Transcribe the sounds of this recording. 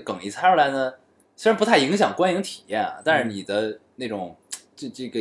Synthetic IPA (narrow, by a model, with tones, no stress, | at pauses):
kɤ˨˩ŋi˧˥t͡sʰa˥ə˧˥˩la˧˥ɪnə˧ | swe˥ɻpu˧˥t̪ʰa˥˩ɪi˧˥ŋɕ̬jɑ˨˩ŋkwa˥ni˧˥ŋt̪ʰi̥˨˩jɛ˥˩nɐ̰˩t̪a˥˧ʂɻ̩˥˩ni˨˩d̪ə˦na˥˩ʈ͡ʂʊ˨˩˦ŋ | ʈ͡ʂʈ͡ʂɤ˥˩ɡə˩